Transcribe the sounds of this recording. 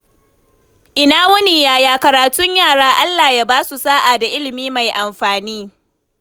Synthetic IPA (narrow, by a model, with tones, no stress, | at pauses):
ʔɪ˨naː˦wɐ˦ni˨jaː˦jaː˦kɐ˨ɾaː˨tʊ˦ɲjaː˦˨ɽaː˦ʔa˦lːaː˨ja˦baː˦su˨saː˦ʔa˨da˨ʔɪ˦lɪ˨miː˦ma˨jʔa˨mɸaː˨niː˦